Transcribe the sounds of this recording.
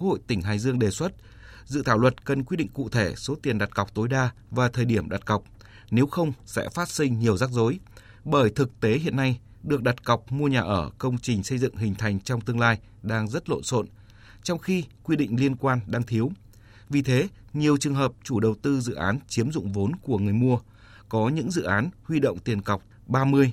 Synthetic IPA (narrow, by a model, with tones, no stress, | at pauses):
ho̰˧˨jt̪ï˧˩ŋ̟ɦaː˨˩jzɨ˧əŋɗe˨˩swə˦˥t̚ | zɨ̰˧˨t̪ʰaː˧˩wlwə˨˩t̚kə˨˩nk̬w̚ɗḭ˧˨ŋ̟kṵ˧˨t̪ʰe˧˩so˨˦t̪i˨˩ənɗa˨˩t̚ka˨˩wk͡p̚t̪o˨˦jɗaː˧ | vaː˨˩t̪ʰəː˨˩jɗi˧˩əmɗa˨˩t̚ka˨˩wk͡p̚ | ne˨˦wxə˧wŋ͡msɛ̰˧˥faː˦˥t̚sï˧ŋ̟ɲi˨˩əwzaː˦˥k̚zo˨˦j | ɓəː˧˩jt̪ʰɨ˨˩k̚t̪e˨˦ɦḭ˧˨ənːa˧j | ɗɨ˨˩ək̚ɗa˨˩t̚ka˨˩wk͡p̚mu˧əɲaː˨˩ʔəː˧˩kə˧wŋ͡mt͡ɕï˨˩ŋ̟sə˧jzɨ̰˧˨ŋɦï˨˩ŋ̟t̪ʰa˨˩jŋ̟t͡ɕɔ˧wŋ͡mt̪ɨ˧əŋlaː˧j | ɗaː˧ŋzə˦˥t̚lo̰˧˨nso̰˧˨n | t͡ɕɔ˧wŋ͡mxi˧kwi˧ɗḭ̈˧˨ŋ̟li˧ənkwaː˧nɗaː˧ŋt̪ʰi˨˦əw | vi˨˩t̪ʰe˨˦ɲi˨˩əwt͡ɕɨ˨˩əŋɦəː˨˩p̚t͡ɕu˧˩ɗə˨˩wt̪ɨ˧zɨ̰˧˨ʔaː˨˦nt͡ɕi˨˦əmzʊ̰˧˨ŋ͡mvo˨˦nku˧˩əŋɨ˨˩əjmu˧ə | kɔ˨˦ɲɨ̰˧˥ŋzɨ̰˧˨ʔaː˨˦nhwi˧ɗo̰˧˨wŋ͡mt̪i˨˩ənka˨˩wk͡p̚ | ɓaː˧mɨ˧əj